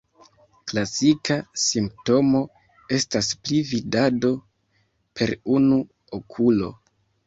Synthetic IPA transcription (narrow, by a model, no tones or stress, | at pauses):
klasikasimp̚to̞mo̞ | e̞stasplividado̞ | pʰe̞ɾunu | okʰulo̞̰